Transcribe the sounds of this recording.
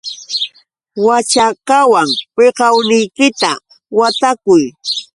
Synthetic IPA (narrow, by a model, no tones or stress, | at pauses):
wat͡ʃakawaŋpeqɑwnɪjkɪt̪a̰ | wat̪akʊj